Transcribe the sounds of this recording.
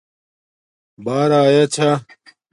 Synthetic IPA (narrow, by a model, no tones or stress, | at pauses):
baːɾaːjaːt͡ɕʰa